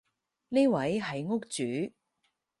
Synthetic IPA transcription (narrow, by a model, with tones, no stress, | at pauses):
ni˥wɐ˨˥jɦɐ˨jŋʊ˥k̚t͡syː˨˥